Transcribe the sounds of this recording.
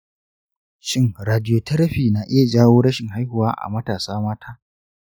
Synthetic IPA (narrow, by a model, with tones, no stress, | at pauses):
ʃɪ˦ŋɾaː˨dɪ˦joː˨tɐ˦ɾɐ˦ɸiː˨na˨ʔɪ˦ja˨d͡ʒaː˦woː˦ɾɐ˦ʃɪ˨ŋha˦jhʊ˨waː˦ʔa̰˨mɐ˦taː˨saː˦maː˦tʰaː˦